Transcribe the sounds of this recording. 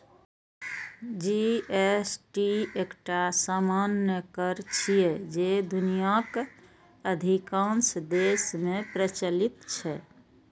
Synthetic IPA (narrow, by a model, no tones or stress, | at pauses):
d͡ʒiesʈiekʈasamanjəkəɾt͡ʃʰied͡ʒed̪unijak | əd̪ʱikãnsd̪esmepɾət͡ʃəlit̪t͡ʃʰɛ